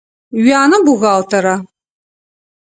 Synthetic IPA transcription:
ɥaːnɐbuɣaːltʰɐɾa

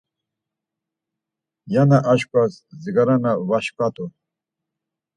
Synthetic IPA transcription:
janaʔaʃkʷʼasziɡaɾanavaʃpʼat̪ʼu

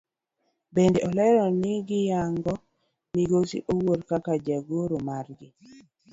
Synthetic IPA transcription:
bendeʔɔlɛɾɔnɪɡɪjaŋɡɔ | miɡosḭʔowoɾkakad͡ʒaɡoɾomarɡɪ

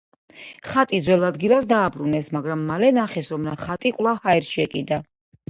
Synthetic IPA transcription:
χat̪ʼid̪zwɛlˠad̪ɡilˠasd̪aːbɾunɛsmaɡɾamːalɛnaχɛsɔmnaχat̪ʼikʼwlˠavhaɛɾsʃiɛkʼid̪a

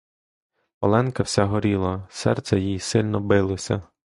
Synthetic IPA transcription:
pɔlˠɛnkɐwsʲaɦɔɾʲilˠɐsɛ̰rt̪sɛjijsɪlʲnɔbɪlˠɔsʲɐ̰

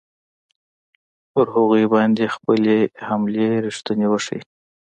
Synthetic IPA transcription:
pəɾɦaɣujbɑnd̪expəlehamleɾiʂt̪ənewəʂḭj

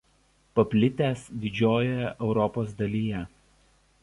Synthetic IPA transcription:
pɐpʲlʲɪt̪ʲæːsd̪ʲɪd͡ʒʲoːjɛʔɛʊɾɔpoːs̬d̪ɐlʲiːjɛ

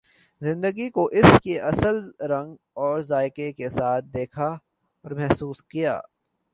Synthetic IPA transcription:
zɪ̃nd̪əɡikoʔɪskeʔɐsəlɾɐ̃ŋɡ | ɔːɾzaːɪkekesaːt̪̚ʰd̪eːkʰa | ɔːɾmɛɦsuːskija̰ː

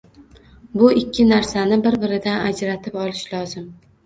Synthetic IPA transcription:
bʊɪkʲʰːɪnaɾsanɪbɪɾbɪɾɪd̪anad͡ʒɾat̪ʰɪpɒlˠɪʃlɒzɪm

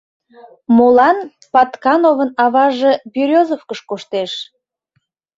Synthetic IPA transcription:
molɑn | pɑt̪kɑnovənɑβɑʒebyɾʲozofkəʃkoʃt̪eʃ

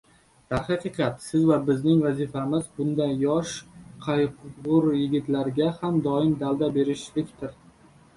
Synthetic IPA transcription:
d̪̥aχɑqɨqʰɑt̪sɪzvabɪznɪŋvazifamɪzbʊnd̪anjɒʃqʰɑjqʊʁʊɾjɪɡʲɪt̪laɾɡʲahamd̪ɒɪmd̪ald̪abe̞ɾɪʃlɪkʲt̪ʰɪɾ

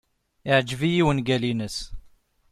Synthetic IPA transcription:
ɪʕd͡ʒvijiwənɡælinəs

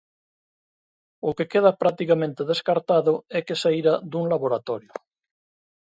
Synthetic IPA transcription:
okekeð̞apɾak̚t̪ikamẽnt̪eðeskaɾt̪aðʊɛkesaiɾad̪uŋlaβoɾat̪ɔɾjo

